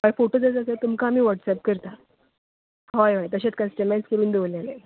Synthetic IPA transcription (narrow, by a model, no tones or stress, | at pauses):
ɦɔjfoʈod͡zət͡s̬əset̪umkaːm̤iːʋəʈsɛp̚kəɾt̪a | ɦɔjʋajt̪əɕat͡skasʈəmɛskəɾuːnd̪eʋolele